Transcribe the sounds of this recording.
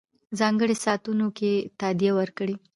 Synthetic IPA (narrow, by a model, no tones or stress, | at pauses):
zɑŋɡəɽesɑt̪unoket̪ad̪ijawəɾkəɽi